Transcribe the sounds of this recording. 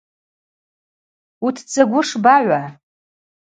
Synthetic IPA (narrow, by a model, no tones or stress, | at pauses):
utʰd͡zaɡʷʊʂbaʕʷa